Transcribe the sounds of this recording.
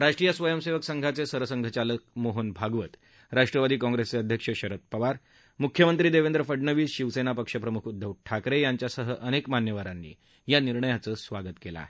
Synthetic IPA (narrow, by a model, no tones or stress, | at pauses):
ɾaʂʈɾijəsʋəjəmseʋəksəŋɡʱat͡sesəɾəsəŋɡʱət͡ɕalək̚moɦənbʱaɡʋət̪ | ɾaʂʈɾəʋad̪iːkɔ̃ŋɡɾest͡seəd̪ʱjəkʂəɕəɾət̪̚pəʋaɾ | mukʰːjəmənt̪ɾiːd̪eʋend̪ɾəfəɖɳəʋiːɕiʋsenapəkʂəpɾəmukʰud̪ʱːəʋʈʰakɾejaɲt͡ɕjasəɦəʔənekmanjəʋaɾanːḭː | janiɾɳəjat͡səːsʋaɡət̪kela̰